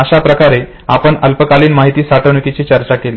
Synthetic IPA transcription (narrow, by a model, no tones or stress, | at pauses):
əɕapɾəkaɾe | apəɳəlpəkaliːnmaɦit̪iːsaʈʰəʋɳukit͡ɕiːt͡ɕəɾt͡ɕakeli